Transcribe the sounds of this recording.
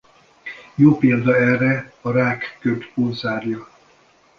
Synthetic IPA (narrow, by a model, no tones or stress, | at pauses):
joːpeːld̪ɒɛrːɛɒɾaːkːøt̪polzaːrjɒ